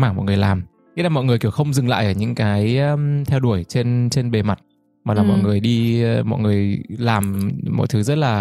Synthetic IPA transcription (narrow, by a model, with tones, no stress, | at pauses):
maː˧˩ŋmɔ̰˨nŋɨ˨˩ə˩jlaː˨˩m | ɲi˧˦laː˨˩mɔ̰˧˨jŋɨ˨˩əjki˧˩əwxə˧wŋ͡mzɨ˨˩ŋla̰ː˧˨jʔəː˧˩ɲɨ̰˧˥ŋkaː˨˦jt̪ʰɛ˧wɗu˧˩əjt͡ɕe˧nt͡ɕe˧nɓe˨˩ma˨˩t̚ | maː˨˩laː˨˩mɔ̰˧˨jŋɨ˨˩əjɗi˧mɔ̰˧˨jŋɨ˨˩əjlaː˨˩mmɔ̰˧˨jt̪ʰɨ˨˦zə˦˥t̚laː˨˩